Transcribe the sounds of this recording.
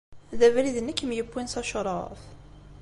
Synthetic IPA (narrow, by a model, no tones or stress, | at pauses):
ðævæliðənːəkːmjəbːinsɑʃɾˤɑf